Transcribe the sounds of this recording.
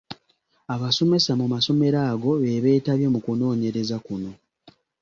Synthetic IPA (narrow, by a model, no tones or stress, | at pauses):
aβaso̞me̞samumaso̞me̞ɾaːɡo̞βe̞βe̞ːtaβje̞mukuno̞ːɲe̞ɾe̞zakuno̞